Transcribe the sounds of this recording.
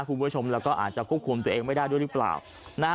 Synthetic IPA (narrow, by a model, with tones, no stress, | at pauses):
kʰu˧bt͡ɕʰo˧mlɛː˦˥wkɔː˥˩ʔa̰ː˨˩t̪̚t͡ɕa˨˩kʰu˥˩p̚kʰu˧mt̪u˧ʔeː˧ŋma˥˩jdaː˥˩jdu˥˩˨jɾɯ˦˥˩pla̰ː˨˩w | naː˥˩